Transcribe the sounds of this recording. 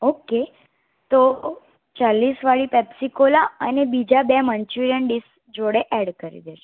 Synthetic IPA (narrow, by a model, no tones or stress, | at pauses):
oke | t̪o | t͡ʃalːisʋaɽipɛpsikolaənebid͡ʒabɛməɲt͡ʃʋiɾənɖis | d͡ʒoɽeʔɛɽkəɾḭd̪eʃe